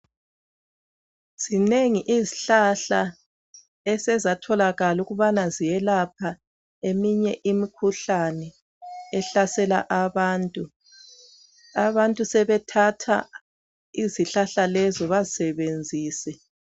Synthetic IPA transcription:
z̥ineŋiʔiziɬaɬa | ɛsɛzatʰɔlaɣaluɣuβanazijɛlapʰa | emiɲɛʔimikʰuɬanɛ | ɛɬasɛla̰ʔaβaːntʼu | aβantʼusɛβɛtʰatʰa̰ | iziɬaɬalɛzɔβazisɛβend͡zʱiːsɛ

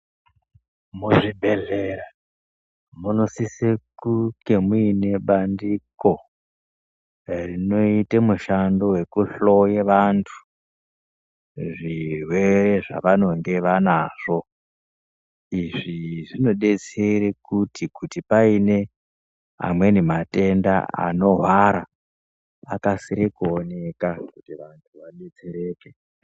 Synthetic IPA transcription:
muʐibʱeɮeɾa | muno̞sisekukemuine̞ɓandiko | rino̞itemuʃando̞we̞kuɬo̞jeʋantʰu̥ | ʐirwe̞re̞ʐa̰ʋano̞ŋɡe̞ʋanaʐ̥o̞ | iʐiʐino̞ɗe̞t͡seɾekutikutipaine̞ | a̰mwe̞nimate̞nda̰a̰no̞ɦwaɾa | akasiɾekuone̞kakutiʋantʰuʋaɗet͡seɾe̞ːke

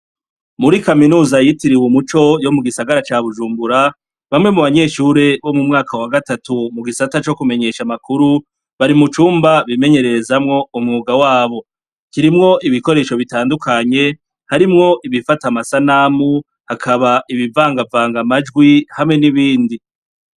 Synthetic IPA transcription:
muɾikaminuːzajitiɾiwumut͡ʃo̞jo̞muɡisaɡaɾat͡ʃaːβuʒuːmbuɾa | βamŋe̞muβaɲe̞ːʃuɾe̞βo̞mumŋaːkawaɡatatumuɡisatat͡ʃo̞kume̞ɲe̞ʃamakuɾu | βaɾimut͡ʃuːmbaβime̞ɲe̞ɾe̞ɾe̞zamŋo̞umŋuːɡawaːβo̞ | kiɾimŋo̞ʔiβiko̞ɾe̞ːʃo̞βitaːndukʰaɲe̞ | haɾimŋo̞ʔiβifatamasanamu | hakʰaβaʔiβivaːŋɡavaːŋɡamad͡ʒɡwihamŋe̞niβiːndi

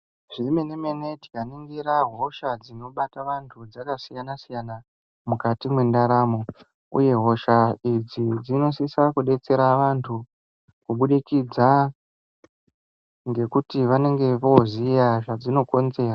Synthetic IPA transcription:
ʐ̥ime̞nemene̞ti̥kaniŋɡiɾaɦo̞ʃad͡zino̞ɓataʋantʰud͡zakasijanasijana | mukatimwe̞ndaɾamo̞ | ṵje̞ɦo̞ʃaid͡zid͡zino̞sisakuɗe̞t͡se̞ɾaʋantʰu | kuɓuɗikid͡za | ŋɡe̞kutiʋane̞ŋɡe̞ʋo̞zijaʐad͡zino̞ko̞nze̞ːra

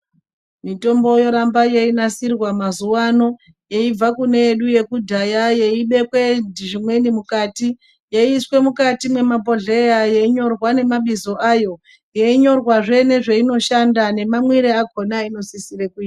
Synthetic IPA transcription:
mito̞mbo̞jo̞ɾambajeinasirwamazuwano̞ | jeib͡vakune̞ːɗuje̞kudʱajajeiɓe̞kwendiʐimwe̞nimukaːti | jeiiswe̞mukatimwe̞mapo̞ɮejajeiɲo̞rwane̞maɓizo̞ʔajo̞ | jeiɲo̞rwaʐe̞ne̞ʐeino̞ʃandane̞mamwiɾeaɡʱo̞naino̞sisirekuiːa

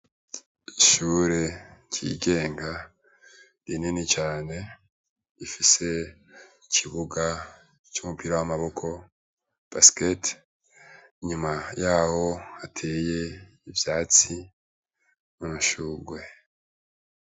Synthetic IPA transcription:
iʃuːɾe̞cʰḭːɡe̞ːŋɡa | dininit͡ʃaːne̞ | ifise̞ | icʰiβuɡa | t͡ʃumupiɾawamaβo̞kʰo̞ | b̥asket | iɲumajaːho̞atʰeːje̞ | ivjaːt͡si | munuʃuːɡwe̞

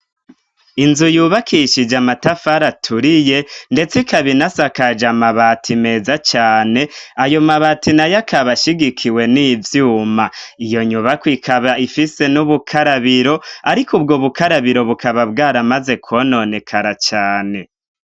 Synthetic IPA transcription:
inzujuːβakʰiʃid͡ʒamatafaɾatʰuɾije̞nde̞t͡sikaβinasakad͡ʒamaβatʰime̞ːzat͡ʃaːne̞ajo̞maβatinajakaβaʃiɡikʰiwe̞niːvjuːmaijo̞ɲuβakwikʰaβaifise̞nuβukʰaɾaβiɾo̞aɾikubɡoβukaɾaβiɾo̞βukʰaβabɡaːɾamaze̞kʰo̞no̞ne̞kʰaɾat͡ʃaːne̞

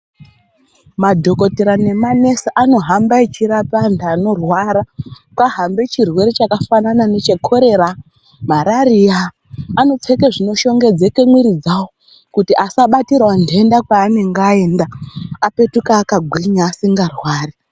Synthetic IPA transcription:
madʱo̞ko̞teɾane̞mane̞saʔano̞ɦambaet͡ʃiɾapandaːno̞rwaɾa | kaɦambe̞t͡ʃirwe̞ɾet͡ʃakafananane̞t͡ʃe̞kʰo̞ɾe̞ɾa | maɾariaː | no̞t͡sekeʐino̞ʃo̞ŋɡe̞d͡ze̞ke̞mwiɾid͡zawo | kutiʔasaɓatirwandendakwaːne̞ŋɡae̞ːndaape̞tukaːkaɡʱwiɲaːsiŋɡarwaːri

